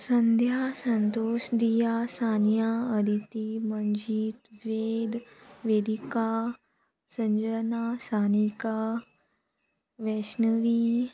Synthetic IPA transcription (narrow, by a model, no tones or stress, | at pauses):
sɐnd̪ʱjasɐnt̪oːʃd̪ijasaːnjaəd̪ʱit̪iməɲd͡ʒiːt̪ʋeːd̪ʋeːd̪ika | sɐ̃ɲd͡ʒənasaːnika | ʋeʃnəʋi